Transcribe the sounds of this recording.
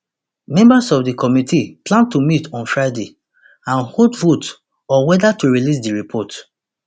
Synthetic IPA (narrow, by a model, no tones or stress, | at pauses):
mɛ̃mbasɔfdikʰɔmitʰiplãntumitɔ̃nfɹaɪde | ãnhodvot | ɔwɛdatuɹilis̬diɹipʰɔt